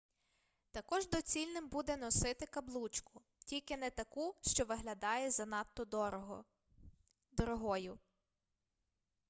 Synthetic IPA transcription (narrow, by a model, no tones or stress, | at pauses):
t̪ɐkɔʒd̪ɔt͡sʲilʲnɪmbud̪ɛnɔsɪt̪ɪkɐblˠut͡ʃkʊ | tʲilʲkɪnɛt̪ɐkuʃt͡ʃɔʋɪɦlʲɐd̪ɑjɛzɐnɑt̪ːɔd̪ɔɾɔɦɔ | d̪ɔɾɔɦɔjʊ